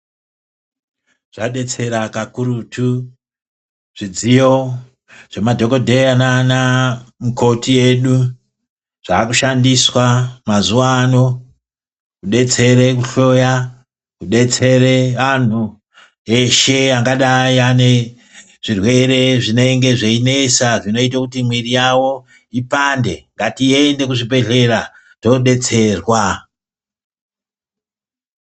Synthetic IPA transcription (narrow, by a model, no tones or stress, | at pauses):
ʐ̥aɗe̞t͡se̞ɾakakuɾutʰu | ʐ̥id͡zijo̞ | ʐ̥e̞madʱo̞ko̞dʱeananamukʰo̞tie̞ɗu | ʐ̥aːkuʃandiswamazuano̞ | kuɗe̞t͡se̞ɾe̞kuɬo̞ja | kuɗe̞t͡se̞reʋan̤u | e̞ʃe̞aŋɡaɗaiane | ʐ̥irwe̞ɾe̞ʐine̞iŋɡe̞ʐeine̞saʐino̞itakutimwirijawo̞ | ipande̞̰ŋɡatiende̞kuʐibe̞ɮe̞ra | to̞ɗe̞t͡se̞rwa